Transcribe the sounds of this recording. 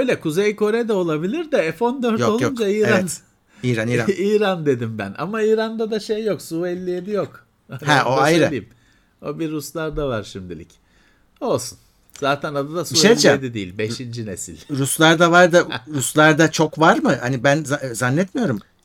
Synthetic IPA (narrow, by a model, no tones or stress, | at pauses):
øjlʲɛkʰuzejko̞ɾed̪ɛo̞lˠabilʲiɾd̪ɛɛfo̞nd̪øɾtjoo̞lˠjound͡ʒaiːɾeavɛn | iːɾaniːɾaiːɾand̪e̞d̪imbæ̰na̰maiːɾand̪ad̪aʃe̞jːo̞ksuelʲːijed̪ijo̞k | ahɛʔo̞ajɾaim | obiɾːuslˠaɾd̪avaɾʃimd̪ilʲḭc | o̞lˠsun | z̥aːt̪ʰænad̪ad̪asiuʃejd͡ʒɛd̪id̪ḭjːilʲbeʃind͡ʒinesilʲɾuslˠaɾd̪avaɾd̪ɯɾuslˠaɾd̪at͡ʃʰo̞kvaɾmɯhanibænzazanːɛt̪mijo̞ɾum